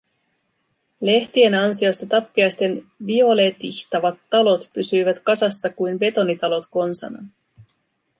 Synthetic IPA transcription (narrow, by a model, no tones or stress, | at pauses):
le̞ht̪ie̞nɑnsio̞st̪ɑt̪ɑpːiɑjst̪e̞nʋio̞le̞t̪içt̪ɑʋɑt̪ːɑlo̞t̪pysyjʋæt̪kɑsɑsːɑkujnbe̞t̪o̞nit̪ɑlo̞t̪ko̞nsɑ̰nɑ̰